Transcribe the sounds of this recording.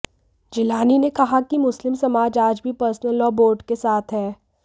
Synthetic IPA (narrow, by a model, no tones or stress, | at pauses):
d͡ʒɪlaːninekɐɦakimʊslɪmsɐmaːd͡ʒaːd͡ʒbʱipəɾsnəlːɔːboːɾɖkesaːt̪ʰɦɛː